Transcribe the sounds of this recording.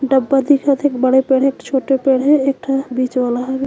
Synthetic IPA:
ɖəbːad̪ikʰat̪ʰekbəɽepeɽɦek̚t͡ʃʰoʈepeɽɦɛek̚ʈʰabit͡ʃbalaɦɛbe

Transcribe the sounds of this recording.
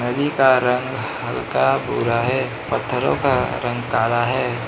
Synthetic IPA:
nəd̪ikaɾə̃ŋɡ | hɐlkabṵːɾaɦɛː | pət̪ʰːəɾõ̰kaɾə̃ŋɡkaːlaɦɛː

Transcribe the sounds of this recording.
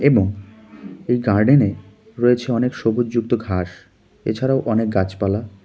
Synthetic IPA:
eboŋ | ejɡaɾɖene | ɾoet͡ɕʰeɔnekʃobud͡ʑd͡ʑuk̚t̪oɡʱaʃ | ḛt͡ɕʰaɾaoʔɔnek̚ɡat͡ɕpala

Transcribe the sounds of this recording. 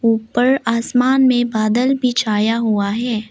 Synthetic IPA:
uːpəɾaːsmaːnmẽbaːd̪əlbʱit͡ʃʰaːjaɦuaɦɛː

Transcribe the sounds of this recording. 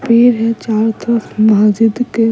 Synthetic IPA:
peːɾɦɛt͡ʃaːɾt̪ɾəsmɐɦaːd͡ʒɪd̪ke

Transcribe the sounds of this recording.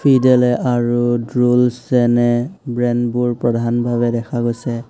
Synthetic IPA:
pʰidɛlɛʔaɹudɹulszɛnɛbɹɛnbuɹpɹɔdʱanbʱaβɛdɛkʰaɡojsɛ

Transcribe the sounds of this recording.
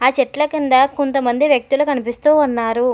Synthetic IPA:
aːt͡ʃɛʈlɐkind̪ɐkont̪ɐmɐnd̪iʋjɐk̚t̪ulukɐnipist̪uːɐnːaːɾu

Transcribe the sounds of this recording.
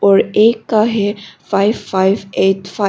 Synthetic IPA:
ɔːɾeːkːaɦɛfaɪʋfaɪʋeːʈfa

